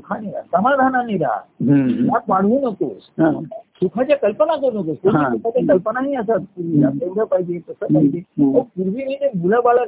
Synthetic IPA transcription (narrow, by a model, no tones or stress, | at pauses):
sukʰaniɾa̰səmad̪ʱananiɾa̰jak̪̚ʋaɽ̤ũnəkossukʰajakəlpənak̬əɾunəkosoisukʰat͡ɕakɐlpənaɦiəsat̪̚puɾʋijakẽnd̪ʱəpaid͡ʒet̪əsəpaid͡ʒeəpuɾʋiɦinebʱuləbaɭə